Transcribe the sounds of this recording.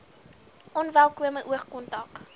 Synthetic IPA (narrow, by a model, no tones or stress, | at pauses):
ʔɔnvælˠkuəməjʔuəχkɔntɐk